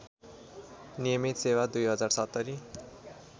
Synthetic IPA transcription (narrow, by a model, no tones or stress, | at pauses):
nijʌmit̪sewad̪ujɦʌd͡zarsʌt̪ːʌɾi